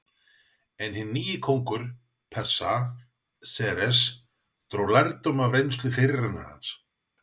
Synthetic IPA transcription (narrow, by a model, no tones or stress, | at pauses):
ɛnhɪnːiːjɪkʰowŋkʏɾ̥ | pʰɛr̥sa | sɛɛɾɛs | t̪ɾolaɾt̪ʏmavɾejnst̪lʏfɪɾranʏ̰ɾha̰ns